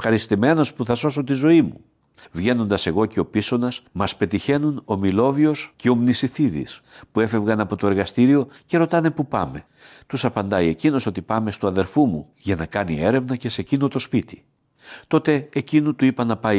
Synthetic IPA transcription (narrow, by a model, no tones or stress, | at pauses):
xɐɾist̪ime̞no̞spuθɐso̞so̞t̪izo̞imu | vʝe̞no̞nd̪ɐse̞ɣo̞ce̞o̞piso̞nɐsmɐspe̞t̪içe̞nuno̞milo̞vio̞sce̞o̞mnisiθiðḭspue̞fe̞vɣɐnɐpo̞t̪oeɾɣɐst̪iɾio̞ce̞ɾo̞t̪ɐnepupɐ̰me̞ | t̪usɐpɐnd̪ɐie̞cino̞so̞t̪ipɐme̞st̪uɐðeɾfumu | ʝɐnɐkɐnie̞ɾe̞vnɐce̞se̞cino̞t̪o̞spit̪i̥ | t̪o̞t̪e̞ːcinut̪uipɐnɐpɐ